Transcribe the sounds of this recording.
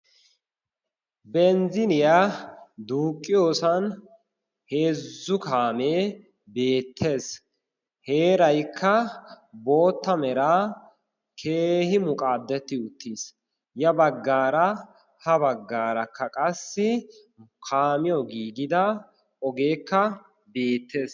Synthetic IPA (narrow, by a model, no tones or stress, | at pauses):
bɛnzɪnɪjad̪uːkʼːɪjo̞ːsɐn | he̞ːzːʊkaːmeː | be̞ːt̪ʰːe̞ːs | he̞ːɾɐjkʰːɐ | bo̞ːt̪ːɐmɛɾaː | kʰeːhɪmʊkʼaːd̪ːɛt̪ːɪʊt̪ːiːs | jɐbɐɡːaːɾɐ | hɐbɐɡːaːɾɐkːɐkʼɐsːɪ | kʰaːmɪjɔɡiːɡɪd̪ɐ | ɔɡe̞ːkːɐ | be̞ːt̪ːe̞ːs